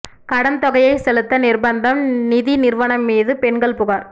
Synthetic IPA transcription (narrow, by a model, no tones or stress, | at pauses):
kɐɽɐnt̪ɔɣɐjɐɪsɛlɯt̪ːɐnɪrbɐnd̪ɐmnɪðinɪrʋɐɳɐmːiːðɯpɛɳɡɐɭpʊɣaːɾ